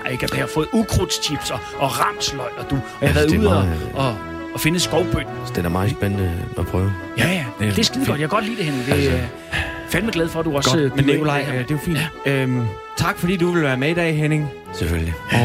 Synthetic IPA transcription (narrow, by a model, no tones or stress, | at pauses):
eɡ̥æd̥ehɑfɔ̽ːð̩ˠukʰʁud̥st͡ɕʰib̥sɒ̽ːʁɑ̈mslɒɪɒd̥u | ɑʋæɐð̩ˠð̰ˠɒ̽ | fe̝nəsɡ̥ɒʊb̥ød̥n̩sd̥enæɐmɑ̈ːð̩ˠsb̥enənəɒpʰʁœːʊ | jæjæd̥esɡ̥iðˠɡ̥ɒ̽d̥jakʰɡɒ̽d̥lḭːd̥eheneŋd̥e | fælmeɡlɛð̞ˠfɒd̥uɒ̽smenikʰo̝lɑ̈ɪ̰d̥e̝jofḭːn̥øm | t͡sʰɑ̈ɡ̥fɒd̥ḭːd̥uʋe̝lʋæːɐmeid̥ɛ̰ɪiɦene̝ŋ | sefølli